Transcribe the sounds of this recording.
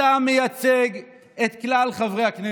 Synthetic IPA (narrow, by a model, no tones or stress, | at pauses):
amejat͡seɡ | et̪klalχavʁejhakne